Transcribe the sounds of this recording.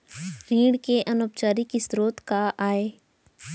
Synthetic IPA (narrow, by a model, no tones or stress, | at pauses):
ɾiːɽkeʔɐnoːpt͡ʃaːɾikisɾoːt̪kaʔaːeː